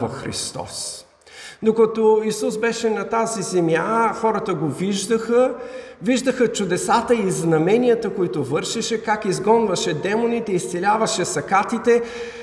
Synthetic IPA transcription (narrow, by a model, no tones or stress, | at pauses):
vɐfxɾḭst̪ɔ̰s | d̪okɐt̪oisusbɛʃɛnɐt̪azizɛmjaxɔɾət̪əɡoviʒd̪əxə | viʒd̪əxət͡ʃʊd̪ɛsat̪əiznɐmɛnijət̪əkoit̪ovɤɾʃɛʃɛkakizɡɔnvɐʃɛd̪ɛmonit̪ɛist̪sɛlʲavɐʃɛsɐkat̪it̪ɛ